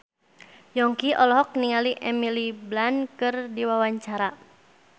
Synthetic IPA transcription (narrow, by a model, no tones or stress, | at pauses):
jɔŋkiʔɔlɔɦɔk̚niŋaliʔɛmiliblankɨrdiwawaɲt͡ʃaɾa